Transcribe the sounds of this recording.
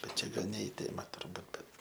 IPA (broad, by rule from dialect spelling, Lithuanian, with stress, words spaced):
bʲɛt ˈt͡ʃʲɛ ˈɡɐlˠ nʲɛ ɪ ˈtʲeːmɐ tʊrˈbuːt bʲɛt